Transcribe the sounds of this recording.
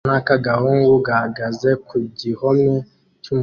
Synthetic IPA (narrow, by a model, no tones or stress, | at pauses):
nakaɡaɦuŋɡuɡaɡazɛkuɟihɔmɛ | kum